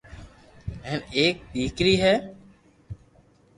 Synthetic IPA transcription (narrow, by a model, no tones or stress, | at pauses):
ɛ̃ːneːk̚ɗ̪iːkɾiːɦɛː